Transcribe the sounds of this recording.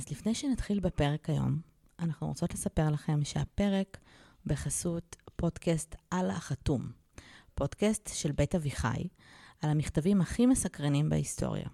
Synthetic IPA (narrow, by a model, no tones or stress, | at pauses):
azlifne̞jʃenatχilbepe̞ʁe̞kajo̞̰m | anaχnṵʁot͡so̞tlesape̞ʁlaχe̞mʃeape̞ʁe̞k | be̞χasutpo̞dkastala̰χatum | po̞dkastʃe̞lbe̞jtaviχa̰jalamiχtavimhaχimesakʁanimbḛistʰo̞̰ʁja̰